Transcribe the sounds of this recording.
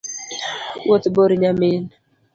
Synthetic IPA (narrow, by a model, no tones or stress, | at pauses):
wot̪boɾɲamɪn